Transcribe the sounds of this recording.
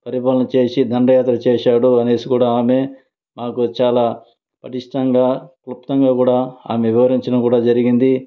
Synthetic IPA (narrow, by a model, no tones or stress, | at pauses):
pɐɾipaːlɐnɐt͡ʃe̞ːsid̪ʱɐɳɖɐjaːt̪ɾɐt͡ʃeːʃaːɽuɐne̞ːsikuːɽaːaːme | maːkut͡ʃaːlaː | pɐʈiʂʈɐŋɡaːklup̚t̪ɐŋɡaːkuːɽaːa̰ːme̞ʋiʋɐɾiɲt͡ʃɐnɐmkuːɽaːd͡ʒɐɾiɡind̪i